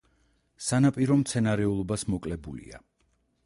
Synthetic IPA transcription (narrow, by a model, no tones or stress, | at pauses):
sanapʼiɾɔmt̪sʰɛnaɾɛulˠɔbasmɔkʼlɛbulḭa̰